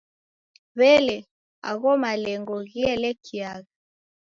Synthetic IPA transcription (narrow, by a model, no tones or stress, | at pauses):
βɛlɛ | a̰ɣɔmalɛŋɡɔɣiɛlɛkʰiaɣa